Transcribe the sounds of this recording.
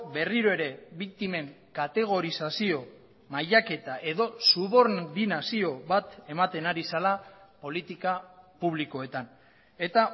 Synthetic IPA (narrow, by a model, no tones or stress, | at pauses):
be̞riɾoe̞ɾe̞βik̚t̪ime̞ŋkat̪e̞ɣ̞o̞ɾisasio | majʎake̞t̪aʔe̞ðo̞suβo̞ɾd̪inasio̞βat̪e̞mat̪e̞naɾisalapo̞lit̪ikapuβliko̞e̞t̪an | e̞t̪a